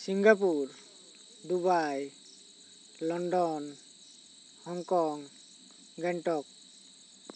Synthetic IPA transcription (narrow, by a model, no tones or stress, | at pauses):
siŋɡap̬uɾ | dubaj | lɔndɔn | hɔŋkɔŋ | ɡɛnʈɔk̚